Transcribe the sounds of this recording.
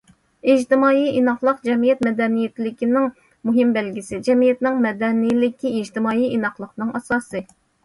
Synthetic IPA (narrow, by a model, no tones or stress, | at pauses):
ɪd͡ʒt̪ɪmɑːiʔinɑχlˠəqd͡ʒɛmijɛt̪̚mɛd̪ɛnijet̪ʰɪlɪkʲinɪŋ | muɦɪmbɛlɡʲisɪd͡ʒɛmijɛt̪nɪŋmɛd̪ɛnijlɪkʲiid͡ʒt̪ɪmɑːiinɑχlˠəqnɨŋɑsɑːsɨ